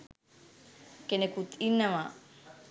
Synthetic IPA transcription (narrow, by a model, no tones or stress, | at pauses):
kenekut̪inːɐʋa